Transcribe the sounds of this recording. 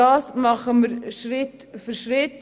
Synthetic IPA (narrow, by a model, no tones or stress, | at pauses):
ɑːsmɑχəməɾʃɾɪt | fʏɾʃɾɪt